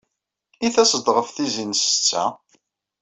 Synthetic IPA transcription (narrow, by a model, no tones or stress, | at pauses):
iθæsəd̪ʁəfθizinst͡sːæ̰